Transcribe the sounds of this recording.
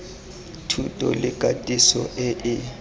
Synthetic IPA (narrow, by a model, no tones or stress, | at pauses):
tʰutʼɔlɪkʼatʼisɔʔɪʔɪ